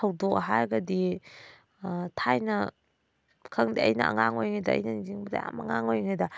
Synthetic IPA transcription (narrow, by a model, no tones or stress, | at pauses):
ɐwdok̚ɐɦaɾɡɐdi | tʰajnɐ | kʰɐŋdiɐjnɐ̰ɐ̰ŋaŋojŋajdɐ̰ːjnɐniziŋbɐda̰ja̰mɐŋaŋojŋajdɐ